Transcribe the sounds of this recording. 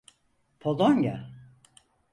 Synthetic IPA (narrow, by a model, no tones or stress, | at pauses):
pʰolˠonja̰